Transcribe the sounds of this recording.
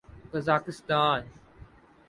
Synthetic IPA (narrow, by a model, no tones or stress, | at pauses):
kɐzaːkɪst̪aːn